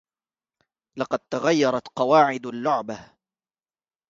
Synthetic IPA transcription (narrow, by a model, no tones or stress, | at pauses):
lɑqɑd̪̚t̪aɣajːɑɾˤɑt̪qɑwaːʕɪd̪alːʊʕba